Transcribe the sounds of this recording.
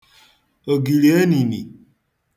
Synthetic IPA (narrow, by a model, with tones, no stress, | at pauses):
o˨ɡi˨li˨e˦nĩ˨nḭ˨